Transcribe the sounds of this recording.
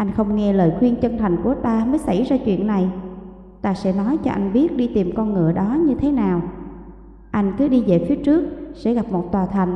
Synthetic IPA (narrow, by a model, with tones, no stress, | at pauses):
ʔa˧jŋ̟xə˧wŋ͡mŋɛ˧ləː˨jxwi˧ənt͡ɕə˧nt̪ʰa˨˩jŋ̟ku˧˩ət̪aː˧məː˨˦jsa˧˩jzaː˧t͡ɕwḭ˧˨ənːa˨˩j | t̪aː˧sɛ̰˧˥nɔ˨˦jt͡ɕɔ̰˧ʔa˧jŋ̟ɓi˦˥ət̚ɗi˧t̪i˨˩mkɔ˧nŋɨ̰˧˩˨əɗɔ˨˦ɲɨ˧t̪ʰe˨˦naː˨˩w | ʔa˧jŋ̟kɨ˨˦ɗi˧ve˨˩fi˨˦ət͡ɕɨ˦˥ək̚sɛ̰˧˥ɣa˨˩p̚mo˨˩t̚t̪waː˨˩t̪ʰa˨˩jŋ̟